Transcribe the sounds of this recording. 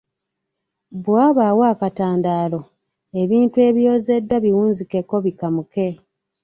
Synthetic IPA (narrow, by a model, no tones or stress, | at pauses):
bwaːβaːwaːkataːndaːlo̞ | e̞βiːntue̞ːβjo̞ːze̞dːwaβiwuːnzike̞kːo̞βikamuke̞